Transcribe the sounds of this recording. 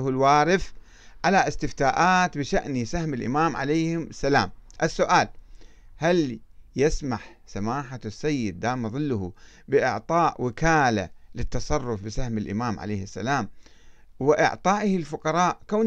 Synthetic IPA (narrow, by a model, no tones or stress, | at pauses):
hʊlwaːɾɪf | ʕalaʔɪst̪ɪft̪aːʔaːt̪bɪʃaʔnisahmɪlʔɪ̰maːmʕa̰lajhɪmʔasːalaːmʔɪsːʊʔaːlhaljɪsmaħ | samaːħasːajːɪd̪ːaːmːðˤɨlːʊhu | bɪʔɪ̰ʕt̪ˤɑːʔwɪkaːla̰lɪt̪ːɑsˤɑrˤːʊfbɪsahmɪlʔɪ̰maːmʕa̰leːhɪsːa̰laːm | wɪʔɪ̰ʕt̪ˤɑːʔhɪlfʊqɑɾˤɑːʔkaː